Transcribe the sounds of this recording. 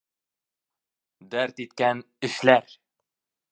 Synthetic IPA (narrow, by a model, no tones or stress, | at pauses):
d̪æɾt̪it̪kæn | ɘ̆ʃlæɾ